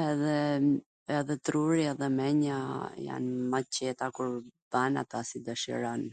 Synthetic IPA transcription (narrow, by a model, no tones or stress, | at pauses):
ɛðɛ | ɛðɛt̪ɾuɾiɛðɛmɛɲaja̰nmat͡ɕɛt̪akuɾbana̰t̪asid̪aʃḭɾan